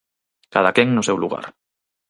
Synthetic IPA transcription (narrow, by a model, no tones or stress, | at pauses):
kaðakeŋnosewluɣ̞a̰ɾ